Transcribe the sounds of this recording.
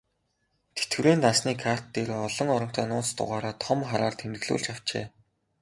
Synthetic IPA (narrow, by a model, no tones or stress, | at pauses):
t̪ʰe̥t̪ɘ̆ɾeːnt̪asniːkʰar̥t̪ːeːɾoːɔɮɞ̆ŋɔɾɞ̆m̥t̪ʰæːnʊːt͡st̪ʊ̰ʁaːɾaːt̪ʰɔmχaɾaːrt̪ʰemt̪ɘ̆ɮṵːɮt͡ɕaw̥t͡ɕḛː